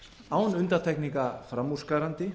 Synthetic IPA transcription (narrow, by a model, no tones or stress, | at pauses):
aːwnʏnt̪aɾt̪ʰɛhkniŋkafɾamːu̥skaɾant̪ɪ